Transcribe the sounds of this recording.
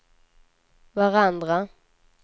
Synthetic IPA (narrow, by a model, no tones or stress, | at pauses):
vaʁand̪ʁa